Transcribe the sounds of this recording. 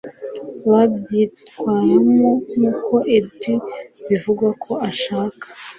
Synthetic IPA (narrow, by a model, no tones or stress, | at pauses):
βabɟitwaːɾamonuːkʰo̞ʔebiβivuɡakʰo̞ʔaʃaːkʰḁ